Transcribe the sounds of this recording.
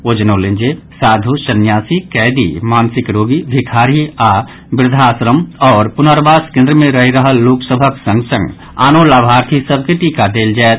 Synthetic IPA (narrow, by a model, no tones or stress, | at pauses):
od͡ʒənoːlẽnd͡ʒesaːd̪ʱuʃənjaːsikɛːd̪ḭmaːnsɪkɾoːɡibʱɪkʰaːɾia | bɪɾd̪ʱaːsɾəmɔːɾpʊnəɾbaːskẽnd̪ɾəmẽɾəɦiɾəɦəlːoːksəbʱəksə̃ŋɡsə̃ŋɡ | a̰ːnolaːbʱaːɾt̪ʰisəb̚ʱkeʈiːkad̪eːld͡ʒaet̪